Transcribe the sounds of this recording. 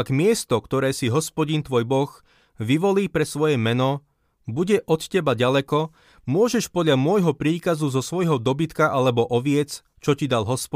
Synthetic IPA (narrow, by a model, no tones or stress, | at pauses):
aɡmɪɛst̪ɔkt̪ɔɾɛːsiɦɔspɔɟint̪ʋɔːjbɔɣ | ʋiʋɔliːpɾɛsʋɔjɛmɛnɔ | buɟɛʔɔt̪cɛbaɟalɛkɔ | mʊɔʒɛʃpɔd̪ʎamʊɔjɦɔpɾiːkazuzɔsʋɔjɦɔd̪ɔbit̪kaʔalɛbɔʔɔʋɪɛt͡s | t͡ʃɔcid̪alɦɔspɔ